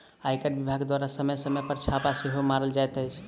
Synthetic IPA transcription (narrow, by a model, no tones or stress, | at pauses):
ajkəʈbibʱaɡked̪waɾasəməjsəməjpəɾt͡ʃʰapaseɦomaɾəld͡ʒajt̪əjt͡ʃʰ